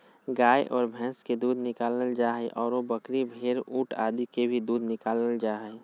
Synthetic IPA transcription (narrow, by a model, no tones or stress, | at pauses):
ɡaːjʔɔːɾbʱɛ̃ːsked̪uːd̪ʱnɪkaːlnəld͡ʒaːɦɛʔɔːɾobəkɾibʱeːɾuːʈʰaːd̪ikebʱid̪uːd̪ʱnɪkaːləld͡ʒaːɦɛ